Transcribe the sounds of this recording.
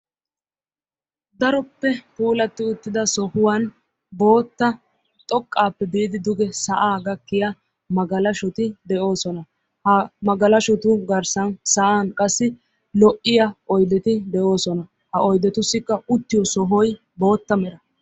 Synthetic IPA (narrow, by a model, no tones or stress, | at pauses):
d̪ɐɾɔpːɛpuːlɐt̪ːɪʊt̪ːɪd̪ɐsɔhʊwɐn | bo̞ːt̪ːɐ | t̪ʼɔkʼːaːpːɛb̪iːd̪ɪd̪ʊɡɛsɐʔaːɡɐkːɪjɐ | mɐɡɐlɐʃʊt̪ɪd̪ɛʔo̞ːsɔnɐ | hɐmɐɡɐlɐʃʊt̪ʊɡɐɾsɐnsɐʔaːnkʼɐsːɪ | lɔʔːɪjɐʔɔjd̪ɛt̪ɪd̪ɛʔo̞ːsɔnɐ | hɐʔɔjd̪ɛt̪ʊsːɪkːɐʊt̪ːɪjɔsɔɦɔj | bo̞ːt̪ːɐmɛɾɐ